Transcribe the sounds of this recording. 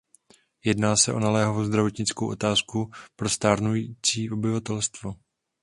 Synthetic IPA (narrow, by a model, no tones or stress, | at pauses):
jɛdnaːsɛʔo̞nalɛːɦavozd̪ɾavo̞t̪ɲɪt͡skowʔo̞t̪aːskupɾo̞st̪aːɾnujiːt͡siːʔo̞bɪvat̪ɛlst̪vo